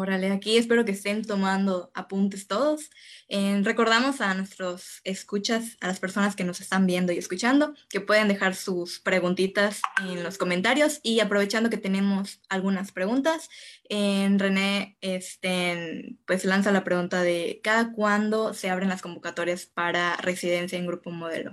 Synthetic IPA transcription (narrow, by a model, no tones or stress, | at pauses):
oɾaleakie̞spe̞ɾo̞k̬eːst̪e̞nt̪o̞mãnd̪o̞apunt̪e̞st̪o̞ð̞o̞sere̞ko̞ɾð̞amo̞sanwe̞st̪ɾose̞skut͡ʃasalaspe̞ɾso̞naske̞no̞se̞st̪ambje̞nd̪o̞ie̞skut͡ʃand̪o̞ke̞pwe̞ð̞e̞nd̪e̞xaɾsuspɾe̞ɣunt̪it̪asenlo̞sko̞ment̪aɾjo̞siapɾo̞βe̞t͡ʃand̪o̞ket̪e̞nẽ̞mo̞salɣunaspɾe̞ɣũnt̪asenre̞ne̞est̪epwe̞slansalapɾe̞ɣunt̪aðe̞kaðakwand̪o̞se̞aβ̞ɾe̞nlasko̞mbo̞kat̪o̞ɾjaspaɾare̞siðe̞nsjaeŋɡɾupomo̞ð̞e̞̰lo̞̰